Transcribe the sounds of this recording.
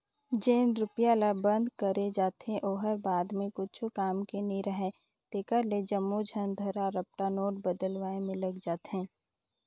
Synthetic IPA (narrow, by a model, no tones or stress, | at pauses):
d͡ʒeːnɾʊpjaːlabə̃nd̪kəɾed͡ʒaːt̪ẽʔoːɦəɾbaːd̪mẽkʊt͡ʃʰukaːmkenəĩɾəɦɛ | t̪eːkəɾled͡ʒəmːod͡ʒʱənd̪ʱəɾaɾəp̚ʈanoːʈbəd̪əlwaːẽmɪ̃lɐɡd͡ʒaːt̪ɦɛ̃ː